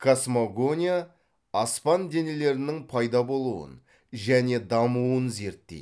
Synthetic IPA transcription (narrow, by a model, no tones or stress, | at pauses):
kʰasmoɡo̞nʲijaː | spɑnd̪e̞ne̞le̞ɾɪnɪŋpʰɑjd̪ɑbo̞lˠuwə̰n | ʒæne̞d̪ɑmuwənze̞ɾt̪ːḛ